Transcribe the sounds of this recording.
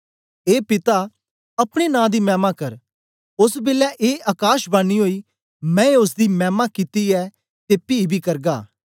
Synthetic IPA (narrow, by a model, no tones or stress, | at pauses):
eːpɪt̪a | ɐpɽ̃enãːd̪iːmɛ̃ːmakɐɾ | ʊsbɪlɛːʔeːʔɐkaːʃbanːiːɦoːiː | mɛ̃ːʊs̬d̪iːmɛːmakɪt̪iɛː | t̪eːpiːbʱiːkɐɾɡaː